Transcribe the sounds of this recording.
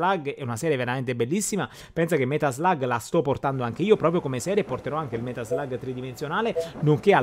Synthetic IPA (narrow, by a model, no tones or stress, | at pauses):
laɡɛunasɛːɾjeveɾament̪ebelːisːima | pɛnsakemːɛt̪azlaɡlast̪ɔpːort̪and̪oaŋk̟eiːopɾɔːpɾjokomesɛːɾjepːort̪eɾɔaŋkeilmɛt̪azlaɡt̪ɾid̪imensjonaːlenoŋkea